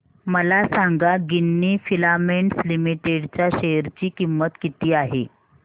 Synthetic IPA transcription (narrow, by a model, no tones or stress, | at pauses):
məlasaŋɡaɡinːiːfilameɳʈslimiʈeɽt͡ɕjaɕejəɾt͡ɕiːkimːət̪kit̪iːaɦe